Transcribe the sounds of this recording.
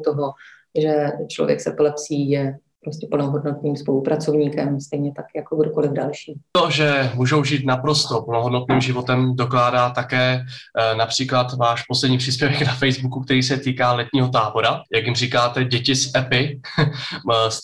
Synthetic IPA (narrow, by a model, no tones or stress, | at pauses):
t̪oɦo | ʒɛt͡ʃlovjɛ̰ksɛpolɛpsiːjɛ | pɾoscʲɛpl̩noɦodnot̪niːmspolupɾat͡sovɲiːkɛmst̪ɛjɲɛt̪akjakoɡdokolɪvdalʃiːt̪oʒɛmuːʒo̞wʒiːt̪napɾo̞st̪o̞pl̩noɦodnot̪niːmʒɪvo̞t̪ɛmdo̞klaːdaːt̪akɛːnapr̥iːklat̪vaːʃposlɛdɲiːpr̥ispjɛvɛɡnafɛjzbukuk̚t̪ɛɾiːsɛt̪iːkaːlɛt̪ɲiːɦo̞t̪̬aːbo̞ɾajakjɪmriːkaːt̪ɛɟɛcɪsʔɛpɪ | s